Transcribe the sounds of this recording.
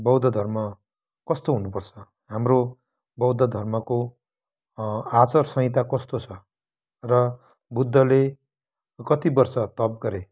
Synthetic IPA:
bʌwd̪ʱʌd̪ʱʌrmʌ | kʌst̪oɦunupʌrt͡sʰʌ | ɦamro | bʌwd̪ʱʌd̪ʱʌrmʌko | at͡sʌrsʌ̃ŋĩt̪̬akʌst̪ot͡sʰʌ | rʌ | bud̪ʱːʌle | kʌt̪ibʌrsʌt̪ʌp̚ɡʌɾe

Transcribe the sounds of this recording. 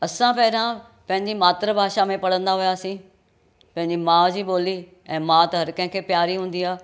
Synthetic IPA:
əsãːpɛːɪɾãː | pə̃ɦɪ̃ɲd͡ʒiːmaːt̪ɾəbʱaːʃaːmẽːpəɽə̃nd̪aːɦʊjaːsĩː | pə̃ɦɪ̃ɲd͡ʒiːmãːd͡ʒiːboːliː | ɛ̃ːmãːt̪ɦəɾkɛ̃ːkʰeːpjaːɾiːɦʊ̃ːnd̪iːaː

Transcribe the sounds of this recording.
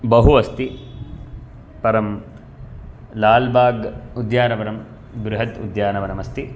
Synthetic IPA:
bɐɦuʋɐst̪i | pɐɾɐm | laːlbaːɡud̪jaːnɐʋɐɾɐm | ɡɾuɦɐt̪ṵd̪jaːnɐʋɐnɐmɐst̪i

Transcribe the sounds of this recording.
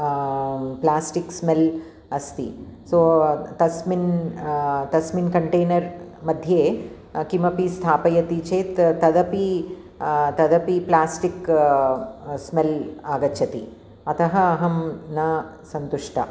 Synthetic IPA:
plaːsʈiksmel | ɐst̪ḭsoːt̪ɐsmin | t̪ɐsminkɐɳʈeːnɐɾmɐd̪ʱjeː | kimɐpist̪ʰaːpɐjɐt̪it͡ʃeːt̪t̪ɐd̪ɐpi | t̪ɐd̪ɐpiplaːsʈik | smelaːɡɐt͡ʃʃʰɐt̪i | ɐt̪ʰɐɦɐɐɦɐmnɐ | sɐnt̪uʂʈʰɐ̰

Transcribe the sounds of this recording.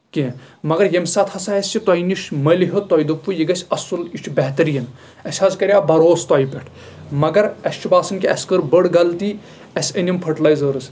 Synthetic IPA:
ki | mɐɡɐɾjɐmsɐt̪ʰhɐsɐjɐsʲt͡ʃʰit̪ɔjniʃmɐliɦɨt̪ɔːjd̪ɐpːujiɡɐsʲɐsulit͡ʃʰbɛɦt̪ɐɾijɐn | ɐsʲhɐzkɐɾʲjaːbɐɾoːst̪ɔːjpʲeʈʰ | mɐɡɐɾɐst͡ʃʰibaːsɐnkʲiɐskəɾbəɽɡɐlt̪i | ɐsʲɐnʲimpʰɐʈɐlɐjzɐːɾɨs

